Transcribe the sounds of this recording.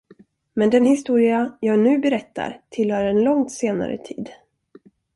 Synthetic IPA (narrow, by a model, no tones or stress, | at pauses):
mɛnd̪ɛnhɪst̪uːɾɪajɑːɡnʉ̟ːbɛɾɛt̪ːa̰ɾt̪ʰɪlhœːɾɛnlɔŋt̪seːna̰ɾə̰t̪ʰiːd̪